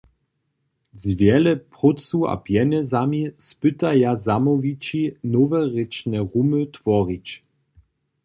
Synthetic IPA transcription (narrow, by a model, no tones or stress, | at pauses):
zvjɛlɛpʁɔt͡sua̰pjɛnɛzamispɘt̪ajazamɔvit͡ɕinɔvɛʁet͡ʃnɛʁumət̪vɔʁit͡ɕ